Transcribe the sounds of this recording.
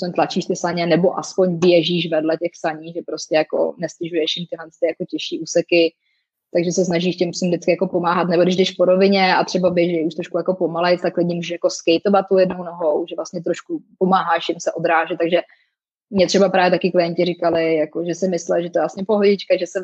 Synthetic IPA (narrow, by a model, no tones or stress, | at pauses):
spoɲt̪lat͡ʃiːʃt̪ɪsaɲɛnɛbo̞ʔaspo̞ɲvɪjɛʒiːʃvɛdlɛcɛxsaɲiːʒɛpɾoscɛjako̰nɛstɪʒujɛʃjɪmt̪ɪɦlɛnst̪ɪjakocɛʃiːʔuːsɛkɪ | t̪aɡʒɛsɛsnaʒiːʃcɛmpsumdɪt͡skɪjako̞po̞maːɦat̪nɛbodɪʒdɛʃpoɾo̞vɪɲɛat̪r̥ɛbabɛʒɪɪuʃt̪ɾoʃkujako̞pomalɛjt͡st̪aklɪɲɪmuːʒɛʃjako̞skɛjt̪ovat̪̚ːujɛdnownoɦowʒɛvlast̪ɲɛt̪ɾoʃkupomaːɦaʃɪmsɛʔod̪ɾaːʒɛt̪t̪aɡʒɛ | mɲɛt̪r̥ɛbapɾaːvjɛt̪akɪklɪjɛɲcɪɾɪkalɪjakoʒɛsɪmɪslɛlʒɛt̪oɛvlasɲɛpoɦoɟɪt͡ʃkaʒɛsɛ